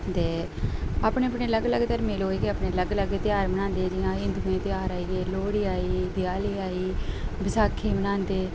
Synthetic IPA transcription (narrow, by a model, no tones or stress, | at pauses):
t̪eː | aːpɳeːəpɳeːləɡləɡt̪əɾmeːloːiːɡeːaːpɳeːləɡləɡt̪ɪjaːɾmənãːnd̪eːd͡ʒɪjãːɪ̃nd̪uẽːt̪ɪjaːɾaːiːɡeːloːɽiːaːiːd̪ɪjaːliːaːiːbɪsaːkʰːiːmənãːnd̪eː